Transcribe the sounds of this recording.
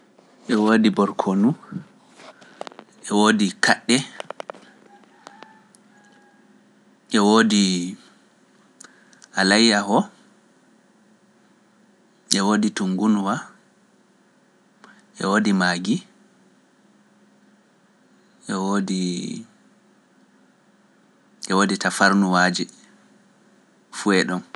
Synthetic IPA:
ʔɛwoːdibɔɾkʰonu | ʔɛwoːdikʰaɗːɛ | ʔɛwoːdi | ʔalajːahɔ | ʔɛwoːdituŋɡunwa | ʔɛ̰wodimaːɡi | ʔɛwoːdi | ʔɛwoːditafaɾnuwaːd͡ʒɛ | fuɛɗɔm

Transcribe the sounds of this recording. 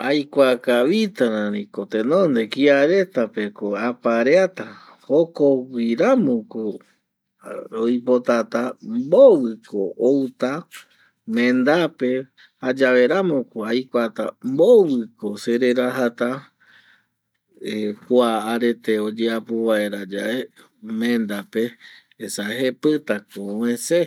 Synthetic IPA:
ajkʷakaβit̪aɾãɾĩkot̪ẽnõnd̪e̞kiaɾe̞t̪ape̞koapaɾeat̪a | hokowiɾamõko | ɾojpo̞t̪at̪ambowɨkoowt̪a | mẽnd̪ape̞ | had͡ʒaʋe̞ɾamõkoajkʷat̪ambowɨkoseɾe̞ɾaɦat̪a | ekʷaʔaɾe̞t̪e̞o̞d͡ʒeapoβae̞ɾad͡ʒaʔe | mẽnd̪ape̞ː | saɦepɨt̪akoẽse

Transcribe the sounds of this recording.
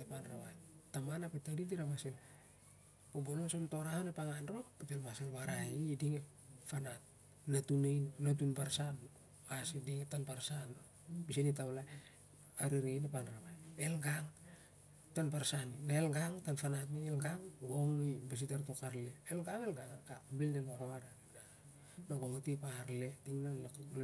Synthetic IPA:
epanra̰βa̰jtamanapitadidiɾamasel | pobononsomto̞ɾahonepaŋanɾopitelmaselβaɾaidiŋe | fanat̚ | natunejnat̬unbaɾsan | asidiŋetanpaɾsan | bisinitawlaj | aɾiɾejnapanɾaβajelɡaŋ | tanpaɾsaninaelɡaŋtanfanatmielɡaŋɡoŋibas̬itaɾto̞kaɾleelɡaŋelɡaŋkabildeloɾoada | na | noɡoŋatipaɾle̞tiŋnalakl

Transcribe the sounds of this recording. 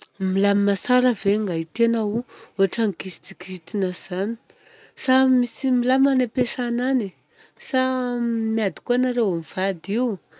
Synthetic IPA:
milamimasaɾəveŋɡait̪enauoaʈ͡ʂaŋkisid̪ikit̪inaz̥ani̥ | samisimilamanepesanani | samiad̪i̥kuanaɾewmiv̥ad̪iw

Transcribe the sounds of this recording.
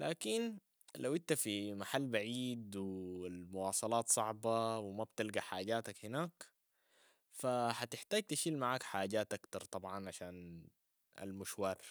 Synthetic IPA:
laːkin | lawʔɪnt̪afimaħalːbaʕiːd̪wilmʊwɑːsˤɑlɑːt̪sˤɑʕbɑwɪmab̚t̪ɪlɡaħaːɟaːt̪akhɪnaːk | fahat̪ɪħt̪aːɟ̚t̪aʃiːlmaʕaːkħaːɟaːt̪ʔakt̪ɑɾˤt̪ˤɑbʕɑnʕaʃaːn | a̰lmʊʃwɑːɾˤ

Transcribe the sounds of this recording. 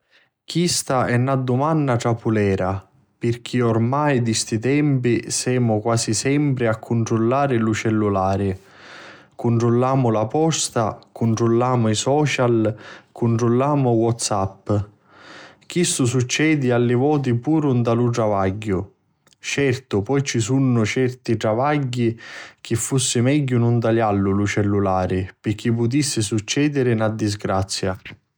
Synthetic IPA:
kist̪aɛnːad̪ːumanːaʈ̪ɾapulɛːɾa | pɪrk̟ʰiɔrmajd̪ist̪it̪ɛmpisɛːmʊkwaːsisɛmpɾɪakʰːuɳʈ̪ɾulːaːɾɪlut͡ʃɛlːulaːɾɪ | kuɳʈ̪ɾulːaːmʊlapɔst̪a̰kuɳʈ̪ɾulːaːmʊisɔːt͡ʃalkuɳʈɾulːaːmʊwɔt̪sapː | k̟ist̪ʊs̬ut͡ʃːɛːd̪ɪalːɪvɔːt̪̬ipuːɾʊnd̪aluʈɾavaɟːʊ | t͡ʃɛrt̪ʊpɔjt͡ʃisunːʊt͡ʃɛrt̪iʈɾavaɟːik̟ɪfːusːɪmɛɟːʊnʊnd̪alalːʊlut͡ʃɛlːulaːɾɪpɪk̟ːip̬ːʊt̪̬isːɪsut͡ʃːɛːd̪ɪɾɪnad̪ːizɡɾat̪sːja

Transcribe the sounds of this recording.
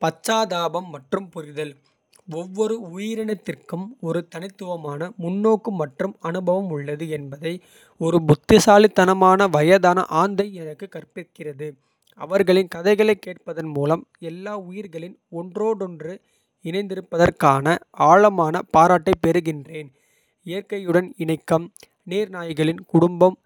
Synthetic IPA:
pɐt͡ʃːaːðaːbɐmːɐʈrɯmpʊɾɪðɐl | ɔʋːɔɾɯʊjɪɾɐnɐt̪ːɪrkɯmɔɾɯt̪ɐnɪt̪ːɯʋɐmaːnɐmʊnːoːkɯmːɐʈrɯmɐnɯbɐʋɐmʊɭːɐðɯɛnbɐðɐɪ | ɔɾɯbʊt̪ːɪsaːlit̪ːɐnɐmaːnɐʋɐjɐðaːnɐ̰ʔaːnd̪ɐɪɛnɐkːɯkːɐrpɪkɪrɐðɯ | ɐ̰ʋɐɾɣɐɭɪnkɐðɐɪɣɐɭɐɪkːeːʈ̚pɐðɐnmuːlɐmɛlːaːʊjɪɾɣɐɭɪnɔndroːɽɔndrɯ | ɪnɐɪnd̪ɪɾɯpːɐðɐrkaːnɐaːɭɐmaːnɐpaːɾaːʈːɐɪpɛɾɯɣɪndreːn | ɪjɐɾkɐjɯɽɐnɪɳɐɪkːɐm | neːɾnaːjɣɐɭɪnkʊɽʊmbɐm

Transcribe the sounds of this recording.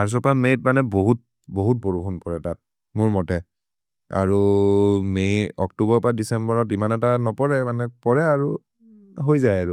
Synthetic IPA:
aɹs̬ɔpamejt̚manɛboɦut̚ | boɦut̚boɹukʰunpɔɹɛtat̚ | mʊɹmɔtɛ | a̰ɹu | mejɔk̚tubɔɹpɹadisɛmbɔɹɔtimanɛtanɔpɔɹɛmanɛpɔɹɛaɹu | ɦojzajaɹu

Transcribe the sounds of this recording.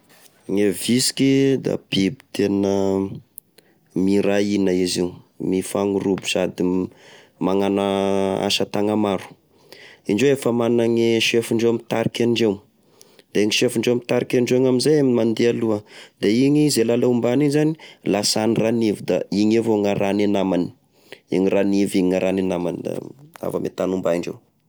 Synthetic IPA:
ŋevisi̥kid̪a̰b̥ibi̥t̪enə | mirainəiziw | mifaŋuɾubu̥sad̪i | maŋanaa̰ʃat̪aŋamaɾu̥ | iɳɖ͡ʐweefəmannaŋeʃefuɳɖ͡ʐewamit̪aɾikaɳɖ͡ʐew | d̪̥eeŋiʃefuɳɖ͡ʐewamit̪aɾikʲaɳɖ͡ʐeŋamizajamimand̪ealuəd̪eiŋizelalaumbanizani̥lasaniranivud̪a̰iɲevoŋaɾanenamani̥ | iŋiraniviɲiŋaɾanenamand̪a̰a̰vamḛt̪anumbaiɳɖ͡ʐḛw

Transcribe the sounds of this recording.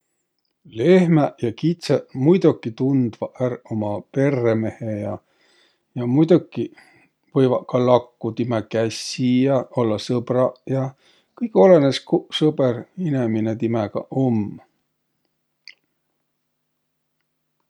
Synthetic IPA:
lehmæjɑkit̪semujd̪ukːˑit̪und̪̥vɑʔæɾomɑpe̞rːeme̞hejɑ | jɑmujd̪̥ukːi | vɤjvɑkɑlɑkːut̪imɛkæsijɑo̞lːɑsɤb̥ɾɑjɑ | kɤjko̞le̞neskusɤbeɾineminet̪imeɡ̥ɑ̰ʔom

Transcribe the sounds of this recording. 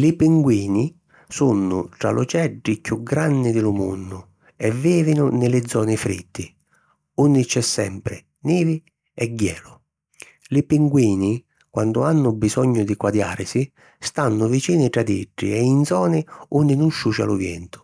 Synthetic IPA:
lɪpiŋɡwiːni | sunːʊʈɾa̰lʔʊt͡ʃɛɖːikjuɡɾanːɪd̪ɪlʊmṵnːʊ | ɛvːiːvɪnʊnɪlɪd̪zːɔːnɪfɾḭt̪ːɪ | unːɪt͡ʃɛsːɛ̰mpɾɪ̰ | niːvi | ɛɡːɛːlʊ | lɪpiŋɡwiːni | kwand̪ʊanːʊbisɔɲːʊd̪ikwad̪ja̰ːɾsi | st̪anːʊvit͡ʃiːnɪʈɾad̪iɖːḭɛind̪zɔːnɪunːɪnunʃːut͡ʃa̰lʊvjɛ̰nt̪ʊ̥

